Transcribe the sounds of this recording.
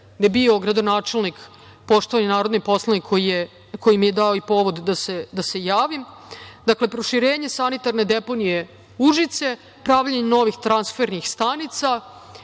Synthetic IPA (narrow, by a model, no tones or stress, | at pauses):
d̪ebio̞ɡɾad̪o̞naːt͡ʃe̞lnik | po̞ʃt̪oʋanenaːɾo̞d̪nipo̞slˠanikʰːojije | ko̞jimjed̪aoipo̞ʋod̪ːased̪ase̞jaːʋim | d̪akle̞pɾo̞ʃiɾeːɲe̞sanit̪aɾne̞d̪e̞po̞nije̞ | uʒit̪se̞ | pɾaʋʎaɲenoʋixt̪ɾansfeɾnixst̪anit̪sa